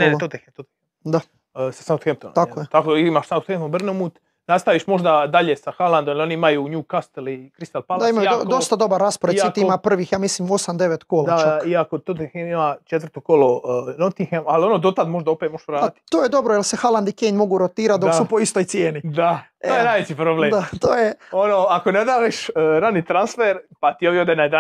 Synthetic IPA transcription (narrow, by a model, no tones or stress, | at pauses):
oot̪ot̪exet̪ot̪e | d̪a | sḁsamt̪xemt̪onakkojet̪akoimaʃsaot̪xemt̪ombr̩nomut̪ | nast̪aʋiʃmo̞ʒd̪ad̪aʎesaxaland̪omilio̞niimajuɲuːkast̪elikɾist̪alpald̪aimajud̪d̪o̞st̪ad̪o̞baɾːaspoɾeit̪iimapr̩ʋiːxjaːmislimo̞samd̪e̞ʋet̪koːlad̪at͡ʃaiakot̪ot̪exemimat͡ʃet̪ʋəɾt̪okolonot̪ixemalionod̪ot̪at̪moʒd̪aopemoʃɾaːat̪i̥t̪oːjed̪o̞bɾojelsexalˠand̪ikeɲmo̞ɡuɾot̪iːɾat̪d̪okssupo̞ist̪ojt̪sjeːnid̪a | oːjenajʋet͡ɕipɾobleːmd̪at̪oːjeonoakoned̪aːʋiʃɾaniːt̪ɾansfeɾpat̪ioʋjiod̪enad̪a